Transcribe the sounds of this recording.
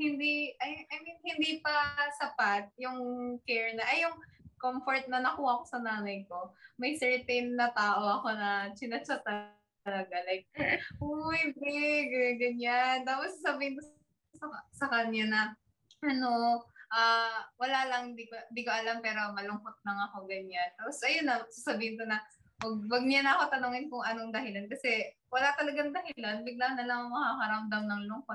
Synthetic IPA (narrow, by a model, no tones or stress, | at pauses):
hɪnd̪iʔɐjʔɐjminhɪnd̪iːpɐsɐpat̪̚jʊŋkɛɹnɐʔɐjʊŋkomfoɹt̪̚nɐnɐkuːhɐɐko̞̥sɐnaːnɐjko̞mɐjsɛɹt̪ejnnɐt̪aːʔo̞ʔɐko̞nɐt͡ʃɪnɐt͡ʃat̪ɐ | lɐɡalɐjojd̪ɛɡɐɡɐɲant̪aːposɐsɐbihɪnko | sɐsɐkɐɲanɐ | ʔɐno̞ʔaːwɐlalɐŋnd̪ikoɪnd̪iːkoʔɐlampɛːɾo̞mɐlʊŋkot̪̚lɐŋɐko̞ɡɐɲant̪aːposʔɐjonːɐsasɐbiːhɪnk̪onɐ | wɐɡ̚wɐɡ̚ɲanʔɐko̞t̪ɐnoŋɪnkʊŋʔɐnoŋd̪ɐhɪlankɐsɛ | wɐlat̪ɐlɐɡɐŋd̪ɐhɪlanbɪɡ̚laŋnɐlɐŋŋmɐhakɐɾand̪ɐwnɐŋlʊŋkot̪